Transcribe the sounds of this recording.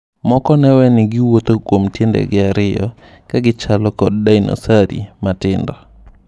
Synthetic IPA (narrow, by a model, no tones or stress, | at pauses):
mɔkɔnɛwɛnɪɡɪwot̪okwomtjendɛ̰ɡɪaɾɪjɔ̰ | kaɡɪt͡ʃalɔkɔd̚dainɔ̰saɾḭmatɪndɔ